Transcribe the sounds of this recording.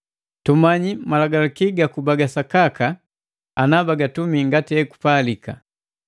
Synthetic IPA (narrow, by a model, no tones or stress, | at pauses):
tɔmaɲimalaɡalakiɡakubaɡasakaka | anabaɡatumiŋɡatiɛku̥palika̰